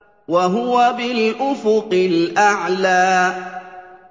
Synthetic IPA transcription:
waɦʊwabɪlʔʊfʊqɪlʔaʕlaː

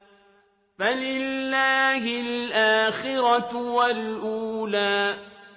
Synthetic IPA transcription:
falɪllːaːhɪlʔaːxɪɾɑwalʔuːlaː

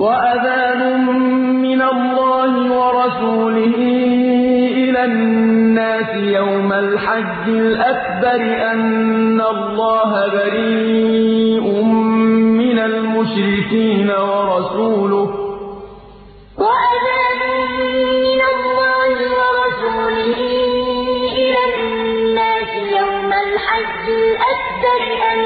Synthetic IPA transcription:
waʔaðaːnʊ | mː | ɪnalːɑːhɪwɑɾˤɑsuːlɪhiː | ʔɪlaː | aːsɪjawmalħad͡ʒːɪlʔakbɑɾɪʔanːalˤːɑːɦabaɾiiː | ʔʊmːɪnalmʊʃɾɪkiːnawɑɾˤɑsuːlʊh | waʔad̪aːdʊmɪnalːɑːhɪwɑɾˤɑsuːlɪhɪ | ʔɪla | nːaːsɪjawmalħad͡ʒːɪlʔak̚bɑɾʔa

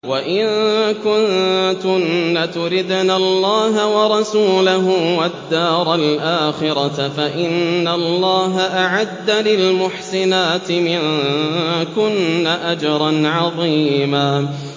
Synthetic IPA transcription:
waʔɪnkʊnt̪ʊnːat̪ʊɾɪd̪naːɑlˤːɑːɦawɑɾˤɑsuːlaɦʊwad̪ːaːɾˤalʔaːxɪɾˤɑfaʔɪnːalˤːɑːɦaʔaʕad̪ːalɪlmʊħsɪnaːt̪ɪmɪn | kʊnːaʔad͡ʒɑɾˤɑnʕɑðˤiːmaː

